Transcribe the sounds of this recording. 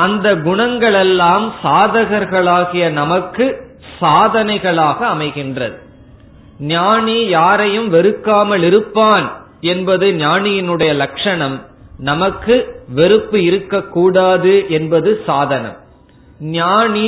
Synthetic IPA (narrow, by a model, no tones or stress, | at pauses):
ɐnd̪ɐɡʊɳɐŋɡɐɭɛlːaːmsaːðɐɣɐɾɣɐɭaːɣɪjɐnɐmɐkːɯ | saːðɐnɐɪɣɐɭaːɣɐːmɐɪɣɪndrɐ̰ðɯ | naːɳijaːɾɐjɯmʋɛɾɯkːaːmɐɭɪɾɯpːaːn | ɛnbɐðɯnjaːnɪjɪnɯɽɐjɐlɐkʂɐɳɐmnɐmɐkːɯʋɛɾɯpːɯɪɾɯkːɐkːuːɽaːðɯʔɛnbɐðɯsaːðɐnɐ̰m | njaːni